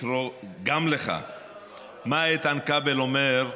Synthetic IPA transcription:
ɾoɡamleχa̰ | maet̪ankabelo̞meʁ

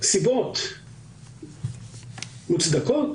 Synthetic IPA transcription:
sibot̪ | mut͡sd̪akot

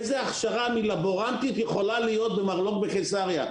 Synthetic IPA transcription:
ezeaχʃaʁamilabo̞ʁant̪it̪jeχo̞lalijo̞t̪̚bemaʁlo̞kbeχesaʁja

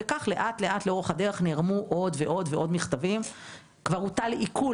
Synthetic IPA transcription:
ekaχle̞ʔat̪le̞ʔat̪leo̞ʁeχad̪e̞ʁeχneːʁmuʔo̞d̪veʔo̞d̪veʔo̞d̪miχt̪avim | kvaʁut̪aleʔikʰu

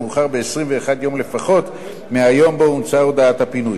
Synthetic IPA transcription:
uːχaʁbe̞esʁimve̞ːχad̪jo̞mle̞faχo̞t̪ | meajo̞mboumt͡saod̪aat̪hapinuj

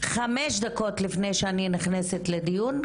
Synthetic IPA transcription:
χameʃd̪ako̞t̪lifnejʃeaniniχneset̪led̪ijun

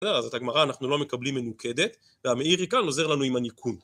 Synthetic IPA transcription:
d̪eʁazet̪haɡmaʁaːnaχnulome̞kablimːe̞nukʰe̞d̪e̞t̪ | veame̞iʁikano̞ze̞ʁlanuimanikʰun

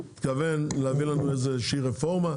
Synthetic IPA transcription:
t̪kave̞nleːvilanue̞jzeʃiʁefo̞ʁma

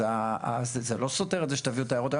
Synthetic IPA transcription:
aazezelo̞soteelzeʃetaviuot̪ajaʁot̪a

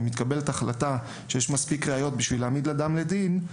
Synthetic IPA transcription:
mit̪kabe̞letaχlata | ʃejeʃmaspikʁeajo̞t̚biʃvileaːmid̪lad̪amled̪in

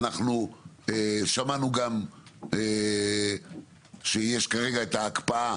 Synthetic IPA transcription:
naχnu | eʃamanuɡame | ʃejeʃkaʁe̞ɡaet̪aːkpaa

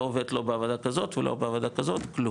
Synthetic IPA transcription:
ove̞d̪lo̞beavod̪akazo̞t̪velo̰beavod̪akazo̞t̪klu

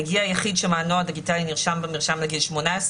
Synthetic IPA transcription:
ɡiajaχidʃəlmaːnɔadɪɡitaliniʁʃambɪmiʁʃamləɡilʃmonaɛs

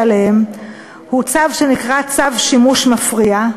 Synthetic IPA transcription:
lehem | hut͡savʃe̞nikʁat͡savʃimuʃmafʁia

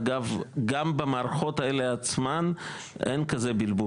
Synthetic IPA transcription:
ɡavɡambamaːɾaχo̞taeleat͡sman | ʔḛnkazebilbu

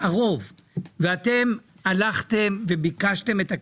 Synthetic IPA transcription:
aʁo̞vveate̞m | alaχt̪emve̞bikaʃte̞me̞ta

